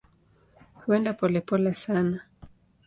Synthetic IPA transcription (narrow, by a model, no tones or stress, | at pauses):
huɛndapɔlɛpɔlasana